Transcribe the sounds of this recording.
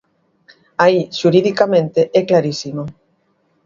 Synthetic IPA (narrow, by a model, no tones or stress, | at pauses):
aiʃuɾiðikamẽnt̪eʔɛklaɾisimo